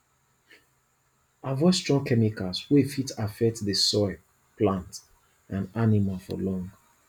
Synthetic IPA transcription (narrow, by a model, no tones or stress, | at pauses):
avɔstɹ̥ɔ̃ŋkʰɛmikalswefitʰafɛk̚tðəsɔɪ | plãnt | ãnanimalfɔ̰lɔ̃ŋɡ